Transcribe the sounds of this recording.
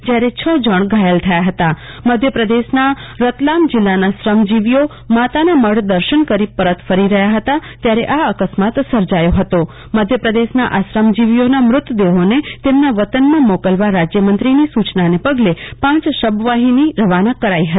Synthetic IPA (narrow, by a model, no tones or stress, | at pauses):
d͡ʒjaɾet͡ʃʰəd͡ʒəɳ̃ɡʱajəlt̪ʰəjaɦət̪a | məd̪ʱjəpɾəd̪eʃnaɾət̪lamd͡ʒɪlːanasɾəmd͡ʒiʋijo | mat̪anaməɽd̪əɾʃəɳkəɾipəɾət̪fəɾiɾəɦjaɦət̪at̪jaɾeʔaəkəsmat̪səɾd͡ʒajoɦət̪o | məd̪ʱjəpɾəd̪eʃna̰ʔasɾəmd͡ʒiʋijonamɾʊt̪əd̪eɦonet̪emnaʋət̪ənmãmɔkəlʋaɾad͡ʒjəmənt̪ɾinisut͡ʃnanepəɡlepãt͡ʃʃəbʋaɦiniɾəʋanəkːəɾaiɦət̪i̥